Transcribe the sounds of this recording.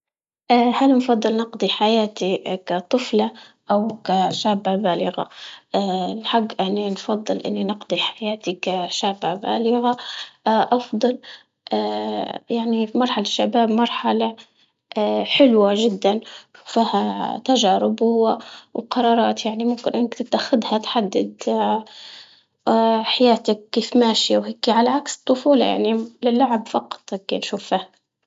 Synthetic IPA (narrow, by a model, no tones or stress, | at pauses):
ʔaːhalnfɑd̪ˤːɨlnɪqd̪ˤiħajaːt̪ikat̪ˤɨflɑʔawkaʃaːbːabaːlɪɣa̰ | lħaɡːʔaninfɑd̪ˤːɨlʔɪ̰nːinɪqd̪ˤiħajaːt̪ikaʃaːbːaba̰ːlɪɣa | ʔɑfd̪ˤɑl | ʔajaʕnifimɑɾˤħalaʃːabaːbmɑɾˤħala | ħɪlwaʒɪd̪ːanʃu̥fihat̪aʒaːɾɪbʊwawqɑɾˤɑːɾˤɑːt̪jaʕnimʊmkɪnʔɪnːakt̪ɪt̪ʔaxɪd̪hat̪ħad̪ːɪd̪ | ħajaːt̪ak̚kːeːfmaːʃiwheːkiʕalaʕakst̪ˤːʊfuːlɑ̰jʔa̰ʕnilɪlːaʕabfɑqɑ̥t̪ˤkːinʃuːfaha